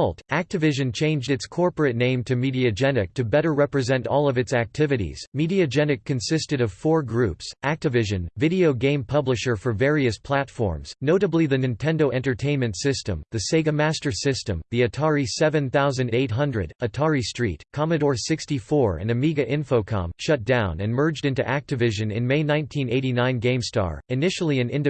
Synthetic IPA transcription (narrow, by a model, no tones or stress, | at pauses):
lˠtæk̚tɨvɪʒɨ̃nt͡ʃʰẽɪ̃nd͡ʒdɨtskʰɔɹpə˞ɨtⁿnẽɪ̃mtʰɨmiɾiɨd͡ʒɛnɨk̚tʰɨbɛɾə˞ɹɛpɹɨzɛ̃ntɔlˠʌvɨtsæk̚tʰɪvɨɾḭz̥miɾiɨd͡ʒɛnɨkʰːɨ̃nsɪstɨɾʌv̥fɔɹɡɹʉpsʔæk̚tɨvɪʒɨ̃nvɪɾioʊɡẽɪ̃mpʰʌblɨʃə˞fə˞vɛɹiɨspʰl̥ætfɔ̰ɹmz̥noʊɾəbliðɨnɨ̃ntʰɛ̃ndoʊʔɛ̃ntə˞tʰẽɪ̃nmɨ̃ntsɪstə̰̃mðɨseɪɡɨmæstə˞sɪstɨ̃mðiɨtʰɑɹisɛvɨ̃nθaʊzɨ̃ndeɪt̚ɦʌ̃ndɹɨ̰ɾɨtʰɑɹistɹ̥ḭt̚kʰɑmɨɾɔɹsɪkstifɔɹɨ̰̃nɨmiɡɨʔɪ̃ɱfoʊkʰɑ̰̃mʃʌt̚d̥ãʊ̃nɨ̰̃nmɜ˞d͡ʒdɪ̃ntʉʔæk̚tɨvɪʒɨ̃nɨ̰̃nmeɪnãɪ̃ntʰĩneɪɾinãɪ̃nɡẽɪ̃mstɑ̰ɹɨnɪʃl̩ˠiɨ̃nɪ̃ndɨ